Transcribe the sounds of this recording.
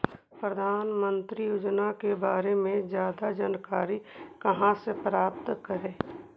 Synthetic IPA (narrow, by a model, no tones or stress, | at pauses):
pɾəd̪ʱaːnmə̃nt̪ɾijuːd͡ʒnakebaːɾemẽzjaːd̪ad͡ʒaːnkaːɾikəɦãsepɾaːpt̪kəɾẽː